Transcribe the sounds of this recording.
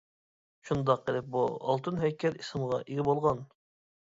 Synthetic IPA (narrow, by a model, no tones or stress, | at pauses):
ʃund̪ɑq̚ːəlˠɪp̚buɑ̰lˠt̪ʰɨnɦɛkʲʰɛɾisɨmʁɑʔiɡʲɪbolˠʁɑn